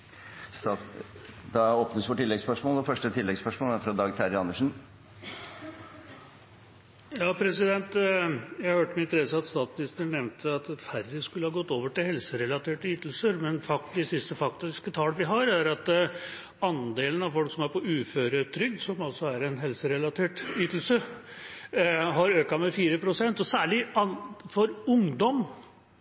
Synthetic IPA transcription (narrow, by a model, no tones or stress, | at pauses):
sɑ | d̪ɑoːpnəsfɔʈʰɪlːɛɡspœʂmɔːlɔfœʂʈət̪ʰɪlːɛɡspœʂmɔːlæɾfɾɑd̪ɑːɡt̪ʰæɾɪɑnːəʂn̩ | jɑːpʰɾɛsɪd̪ɛnt̪jæɪhɑhøːʈəmɛɪnt̪ɾɛsəɑt̪st̪ɑːt̪smɪnɪst̪əɳːɛʋnt̪ʰəɑt̪fæɾd̪ɪskʉləhɑːɡɔt̪ːoːʋəʈɪlhɛlsəɾɛlɑt̪ʰeːʈəyːt̪l̩səɾmɛnfɑk̚td̪ɪsɪst̪əfɑkt̪ɪskət̪ʰɑːlʋɪɦɑɾæɾɑt̪ | ɑnd̪eːlənɑʋfɔlksɔmæɾpɔʉːføːɾət̪ʰɾʏɡsɔmɑlsɔæɾɛnɦɛlsəɾɛlɑt̪ʰeːʈyːt̪l̩sə | ɦɑɾøːkɑmɛfiːɾəpʰɾʊsɛnt̪ɔsæːɭɪɑfɔɾʊŋd̪ɔm